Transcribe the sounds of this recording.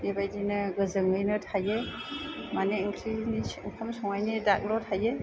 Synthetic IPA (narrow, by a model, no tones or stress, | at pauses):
ebajdinɯɡɯzɯŋɯjnɯtʰaje | maneiŋkʰɾiniŋkʰamsɔŋajnidak̚lɔtʰaje